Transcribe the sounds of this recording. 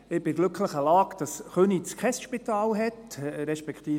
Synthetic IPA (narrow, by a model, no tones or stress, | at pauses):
ɪbɪɡlɵkʰləχəlɑːkd̥ɑsχønit͡skʰχɛsʃpitɑːlɦɛtɾɛʃpɛkʰt̪iː